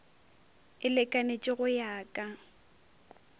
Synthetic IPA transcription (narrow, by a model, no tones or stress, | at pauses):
ɪlɛkʼanet͡ʃʼɪɣʊjaːkʼa